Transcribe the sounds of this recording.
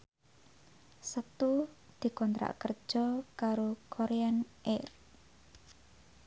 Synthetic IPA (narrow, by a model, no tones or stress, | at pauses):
sət̪u | d̪̥i̤kɔnt̪ɾa̰ʔkər̥d͡ʒ̥ɔkaɾokʰoɾeanʔɛr